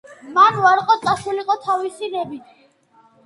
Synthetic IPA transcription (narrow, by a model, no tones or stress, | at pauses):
manvaɾqʼɔt̪sʼasuliqʼɔt̪ʰavisiɾɛbit̪ʰ